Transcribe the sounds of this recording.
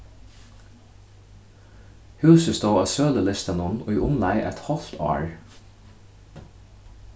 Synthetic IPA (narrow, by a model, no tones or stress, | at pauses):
hʉːsəst̪oːɑːsøːləlɪst̪ənʊnʊːʔʊmlæɪʔɛ̰t̪hɔlt̪ʰɑ̰ːɹ